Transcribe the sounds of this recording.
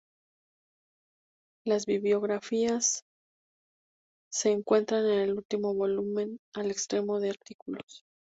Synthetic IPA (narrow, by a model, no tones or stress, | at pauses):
lazβiβljo̞ɣɾafias | e̞ːŋkwe̞nt̪ɾane̞ne̞lult̪imo̞βo̞lumẽ̞nale̞kst̪ɾe̞mo̞ðe̞aɾt̪ikulo̞s